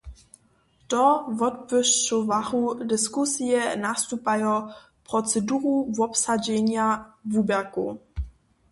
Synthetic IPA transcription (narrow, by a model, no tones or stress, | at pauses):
tɔvɔt̚pəʃt͡ʃɔvaʁudɪskusijɛnast̪upajɔ | pʁɔt͡sɛduʁuvɔpsad͡ʑɛɲjavubɛʁku